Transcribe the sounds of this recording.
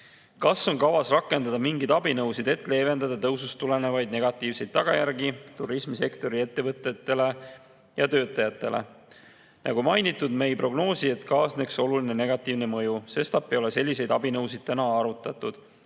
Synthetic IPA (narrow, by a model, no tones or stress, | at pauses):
kɑsːo̞nkɑwɑsrɑkːˑe̞nd̪ɑd̪ɑmiŋɡid̪̥ɑbinɤwsid̪̥e̞t̪ːˑle̞ːve̞nd̪ɑd̪̥ɑt̪ɤwsust̪ule̞ne̞vɑjd̪̥̚ne̞ɡ̥ɑt̪ːˑiːvse̞jd̪̥̚t̪ːɑɡ̥ɑ̰jæɾɡit̪uɾismise̞kt̪o̞ɾie̞t̪ːe̞vɤt̪ːˑet̪ːˑe̞le̞ | jɑt̪ø̞ːt̪ːˑɑjɑt̪ːˑe̞le̞̰ | nɑ̰ɡ̥umɑjnit̪ːˑud̪me̞jpro̞ɡ̥no̞ːsie̞t̪ˑkɑːsne̞kso̞luline̞ne̞ɡ̥ɑt̪ːˑiːvne̞mɤjuse̞st̪ɑpːio̞le̞se̞lʲːise̞jd̪̥ɑbinɤwsid̪̥̚t̪ænɑɑɾut̪ːˑɑt̪ud̪̥